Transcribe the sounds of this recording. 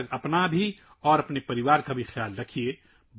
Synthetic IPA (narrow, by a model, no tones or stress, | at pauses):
ɡɐpnabʱi | ɔːɾɐpnepɐɾɪʋaːɾkabʱixʰjaːlɾɐkʰie | b